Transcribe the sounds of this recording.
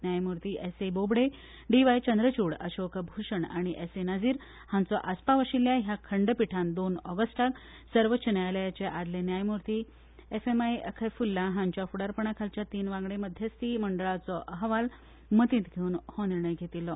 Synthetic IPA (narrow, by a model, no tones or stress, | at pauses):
njajmuɾt̪iːʔesebobɽe | ɖiʋajt͡ɕənd̪ɾət͡ɕuːɽə̰ɕokʰəbʱuɕəɳaɽ̃iʔesenad͡ziːɾ | hãnt͡sɔʔaspaʋəɕiljaɦjakʰəɳɖəpiʈʰãnd̪onɔɡəsʈak | səɾʋət͡ɕʰənjaləjat͡ɕeʔad̪lenjajmuɾt̪iː | efemajəkʰəjfulːaɦãɲt͡ɕjafuɽaɾpəɳ̃akʰalt͡ɕjat̪iːnʋãŋɡɽeməd̪ʱjəst̪iːməɳɖəɭat͡sɔʔəɦʋal | mət̪ĩːt̪ɡʱeuːnhɔniɾɳəjɡʱet̪ilɔ